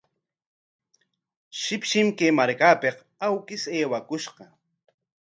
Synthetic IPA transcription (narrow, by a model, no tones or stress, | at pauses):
ʃɪpʃɪmkemaɾkaːpeq | awkɪseːwakʊʃɢɑ